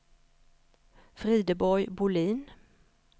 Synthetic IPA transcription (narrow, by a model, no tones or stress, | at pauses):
fʁiːd̪əbɔʏbʊliːn